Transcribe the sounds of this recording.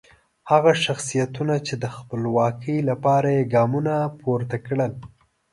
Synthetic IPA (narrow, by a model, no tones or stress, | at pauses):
haɣaʃaxsijat̪unat͡ʃed̪əxpəlwɑkʰəjlapɑɾajeɡɑmunapʰoɾt̪akɽəl